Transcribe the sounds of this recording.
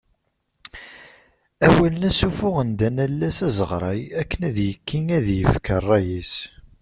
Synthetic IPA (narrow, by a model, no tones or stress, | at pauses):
æwælənæsufʊʁənd̪ænælːæsæzəʁɾˤɑjækːənæðjəkːiŋæðjəfkərˤːæjis